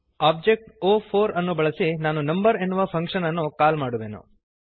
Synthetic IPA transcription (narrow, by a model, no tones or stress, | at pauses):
aːb̚d͡ʒek̚ʈoːpʰoːɾɐnːubɐɭɐsinaːnunɐmbɐɾe̞nːuʋɐpʰɐŋkʂɐnɐnːukaːlmaːɽuʋḛːnṵ